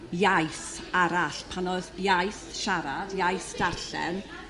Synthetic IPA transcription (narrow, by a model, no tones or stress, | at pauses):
jajsaɾaɬpʰanɔðjajθʃaɾadjajsd̥arɬɛ̰n